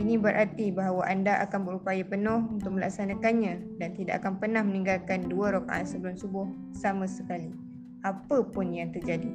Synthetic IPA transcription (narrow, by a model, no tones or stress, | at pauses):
inĩbəɾʔart̪ibaɦawaʔandaʔakanbəɾupajapənʊhunt̪ʊk̚mə̃la̰k̚sanãkanɲãdant̪ida̰ʔakanpərnahmənĩŋɡalkanduaɾoka̰ʔa̰nsəbəlʊmsubʊh | samãsəkali | apəpʊnjaŋt̪ərd͡ʒadi